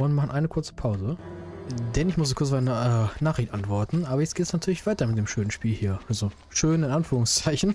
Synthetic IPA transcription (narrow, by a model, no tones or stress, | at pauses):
ɔnmaχn̩ʔaɪnəkʰʊɐt͡sə̥pʰaʊzə | dɛnɪçmʊszoːkʰʊɐt͡sv̥atnʔɛːnaːχʁɪçtʔantv̥ɔɐtn̩ʔaːbɐjɛt͡stɡ̥eːtɛsnatʰyːɐlɪçv̥aɪtɐmɪt̚d̥eːmʃøːnənʃpiːlhiːɐʔalzo | ʃøːnɪnʔanfyːʁʊŋst͡saɪçn̩